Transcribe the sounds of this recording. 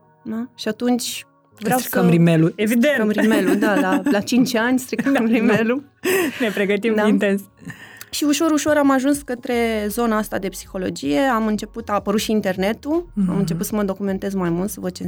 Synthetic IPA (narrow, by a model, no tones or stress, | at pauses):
ʃiat̪unt͡ʃʲ | vɾeaiəmɾimeluevid̪enəmɾmelud̪alalat͡ʃint͡ʃanʲst̪ɾikəəmɾimelunepɾeɡət̪imd̪aint̪ens | ʃiuʃoɾuʃo̞ɾamaʒunskət̪ɾe̞zo̞naast̪ad̪e̞psi̥xo̞lo̞̰d͡ʒije̞amɨnt͡ʃe̞put̪aːpəɾut̪ʃiːnt̪e̞rne̞t̪uamɨnt͡ʃeput̪səməd̪o̞kume̞nt̪e̞zmajmult̪səvəd̪̚t͡ʃe